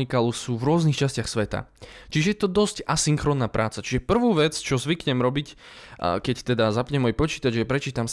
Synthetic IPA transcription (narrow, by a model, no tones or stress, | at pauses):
ikalusuːvɾʊɔznixt͡ʃascɪaxsʋɛt̪a̰t͡ʃiʒɛjɛt̪ɔd̪ɔscasiŋxɾɔːnːaːpɾʔaːt͡sat͡ʃiʒɛpr̩ʋuːʋɛt͡st͡ʃɔzʋikɲɛmɾɔbic | kɛct̪ɛd̪azapɲɛmɔjpɔt͡ʃiːt̪ad͡ʒjɛpɾɛt͡ʃiːt̪ams